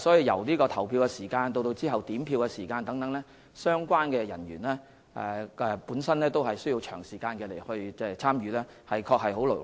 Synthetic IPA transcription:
sɔː˨˥ji˧wjɐ̰˨˩wliː˥kɔː˧t̪ʰɐ˨˩wpʰiː˧wkɛ˧siː˨˩kaː˧nt̪o˧wt̪o˧wt͡siː˥ɦɐ˨wt̪iː˨˥mpʰiː˧wkɛ˧siː˨˩kaː˧nt̪ɐ˨˥ŋt̪ɐ˨˥ŋlɛː˥ | sœː˥ŋkʷwaː˥nkɛː˧jɐ˨˩njyː˨˩nlɛː˥ | ʔɛ̰˨ɛ˨puː˨˥nsɐ˥nlɛː˥t̪o˥wɦɐ˨jsɵ˥ɥji˧wt͡ʃʰœː˨˩ŋsiː˨˩kaː˧nkɛː˧le˨˩jhɵ˧ɥt͡sɛː˥t͡sʰaː˥mjyː˨˧lɛː˥ | hɐ˨jkʰɔː˧k̚hɐ˨jɦo˨˥wlo̰˨˩

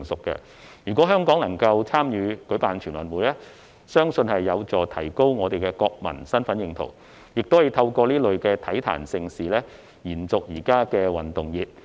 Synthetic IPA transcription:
ŋsʊ˨kːɛ̰˧ | jyː˨kɔː˨˥ɦœː˥ŋkɔː˨˥ŋnɐ˨˩ŋkɐ˧wt͡sʰaː˥mjyː˨˧kɵ˨˥ɥpaː˨nt͡ʃʰyː˨˩nwɐ̰˨˩nwuː˨˩jlɛː˥ | sœː˥ŋsɵ˧nhɐ˨jːɐ˨˧wt͡sɔː˨˩t̪ʰɐ̰˨˩jko˥wŋɔː˨˧t̪e˨jkɛː˧kɔː˧k̚mɐ̰˨˩nsɐ˥nfɐ˨˥njɪ˧ŋt̪ʰo̰˨˩w | jɪ˨k̚t̪o˥whwt̪ʰɐ˧wkɔː˧liː˥lɵ˨ɥkɛː˧t̪ʰɐ˨˥jt̪ʰa̰ː˨˩nsɪ˧ŋsiː˨lɛː˥ | jiː˨˩nt͡sʊ˨k̚jiː˨˩kaː˥kɛː˧wɐ˨˩nt̪ʊ˨ŋjiː˨˩t̚

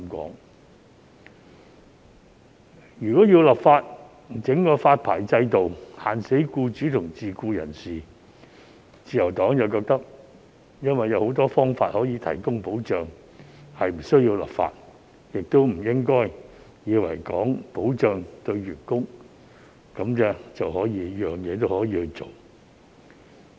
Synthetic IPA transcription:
mkɔ̰ː˨˥ŋ | jyː˨˩kɔː˨˥jiː˧wlɐ˨˩p̚faː˧t̚ | t͡sɪ˨˥ŋkɔː˧faː˧t̚pʰa̰ː˨˩jt͡sɐ˧jt̪o˨whaː˨˩nse˨˥jkuː˧t͡ʃyː˨˥t̪ʰʊ˨˩ŋt͡siː˨kuː˧jɐ̰˨˩nsiː˨ | t͡siː˨˧jɐ˨˩wt̪ɔː˨˥ŋjɐ˨wkɔː˧k̚t̪ɐ˥k̚ | jɐ˥nwɐ˨˩jɐ˨˧who˨˥wt̪̬ɔː˥fɔː˥ŋfaː˧t̚hɔː˨˥jiː˨˧t̪ʰɐ̰˨˩jkʊ˥ŋpo˨˥wt͡ʃœː˨ŋ | hɐ˨jm̩˨˩sɵ˥ɥji˧wlɐ̰˨˩p̚fa̰ː˧t̚ | jɪ˨k̚t̪o˥wm̩˨˩jɪ˥ŋkɔː˥j | jiː˨˧wɐ̰˨˩jkɔː˨˥ŋpo˨˥wt͡ʃœː˨ŋt̪ɵ˧ɥɥyː˨˩t̚kʊ˥ŋ | kɐ˨˧˥mkɛː˧t͡sɐ˨whɔː˨˥jiː˨˧jœː˨˩ŋjɛː˨˧t̪̬o˥whɔː˨˥jiː˧hɵ˧t͡so˨˩w

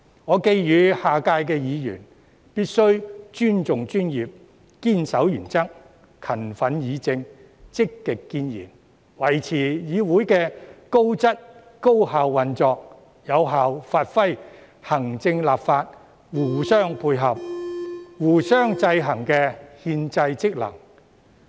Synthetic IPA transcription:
ŋɔː˨˧ke˧jjyː˨˧haː˨kaː˧jkɛː˧jiː˨˧jy̰ː˨˩n | piː˥t̚sɵ˥ɥt͡ʃyː˥nt͡sʊ˨ŋt͡ʃyː˥njiː˨p̚ | kiː˥nsɐ˨˥wjyː˨˩nt͡sɐ˥k̚ | kʰɐ˨˩nfɐ˨˥njiː˨˧t͡sɪ˧ŋ | t͡sɪ˥kːɪ˨kːiː˧njḭː˨˩n | wɐ˨˩jt͡sʰiː˨˩jiː˨˧wuː˨˥jkɛː˧ko˥wt͡sɐ˥t̚ | ko˥whaː˨wːɐ˨nt͡sɔː˧k̚ | jɐ˨˧wɦaː˨wfaː˧t̚fɐ˥j | hɐ˨˩ŋt͡sɪ˧ŋlaː˨pfaː˧t̚ | wuː˨˩sœː˥ŋpʰuː˧jɦɐ˨p̚ | wuː˨˩sœː˥ŋt͡sɐ˧jɦɐ˨˩ŋkɛː˧hiː˧nt͡sɐ˧jt͡sɪ˥k̚lɐ̰˨˩ŋ

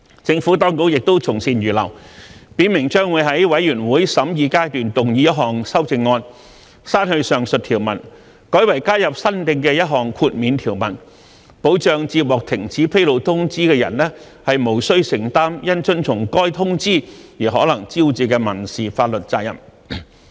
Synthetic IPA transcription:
t͡sɪ˧ŋfu˨˥t̪ɔː˥ŋkʊ˧˥k̚jɪ˨k̚t̪o˥wt͡sʰʊ˨˩ŋsiː˨˩njyː˨˩lɐ̰˨˩wpiː˨˥nmɪ˨˩ŋt͡ʃœː˥ŋwu˨˧jɦɐ˨˥jwɐ˨˥jyː˨˩nwuː˨˥jsɐ˨˥mjiː˧kaː˥jt̪yː˨nt̪ʊ˨ŋjiː˨˧jɐ˥t̚ɦɔː˨˩ŋsɐ˥wt͡sɪ˧ŋːɔː˧n | saː˥nhɵ˧ɥsœː˨ŋsɵ˨t̪ʰiː˨˩wmɐ̰˨˩n | kɔː˨˥jwɐ˨˩jkaː˥jɐ˨p̚sɐ˥nt̪ɪ˧ŋkɛː˧jɐ˥t̚ɦɔː˨ŋkʰuː˧t̚miː˨˧nt̪ʰiː˨˩wmɐ̰˨˩n | po˨˥wt͡ʃœː˨˧ŋt͡siː˧p̚wɔː˨k̚t̪ʰɪ˨˩ŋt͡sʰiː˨˥pʰe˥jlo˨˧wt̪ʰʊ˥ŋt͡siː˥kɛː˧jɐ̰˨˩nlɛː˥ | hɐ˨jmo˨˩wsɵ˥ɥsɪ˨˩ŋt̪aː˥mjɐ˥nt͡sɵ˥nt͡sʰʊ˨˩ŋkɔː˥jt̪ʰʊ˥ŋt͡siː˥jiː˨˩ɦɔː˨˥lɐ˨˩ŋt͡si˥wt͡siː˨kɛː˧mɐ˨˩nsiː˨faː˧t̚lɵ˨t̚t͡saː˧jɐ̰˨˩m

